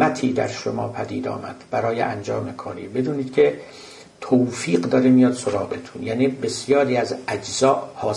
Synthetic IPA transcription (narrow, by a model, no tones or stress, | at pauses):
æt̪ʰiːd̪æ̰ɾʃomɒ̰ːpʰæd̪ḭːd̪ɒ̰ːmæ̰d̪̥b̥æɾɒːjḛʔæ̰nd͡ʒɒːme̞kʰɒːɾḭːbe̞d̪uːniːd̪̥kʲʰe̞ | t̪ʰowfiːɢd̪ɒːɾemijɒd̪̥soɾɒːɣet̪ʰunjæːniːbe̞sjɒːɾiːæzæd͡ʒzɒːʔhɒː